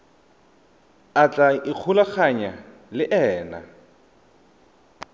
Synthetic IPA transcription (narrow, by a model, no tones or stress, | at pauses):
at͡ɬʼaɪq͡χʰulak͡xaɲa | lɪʔɛːna̰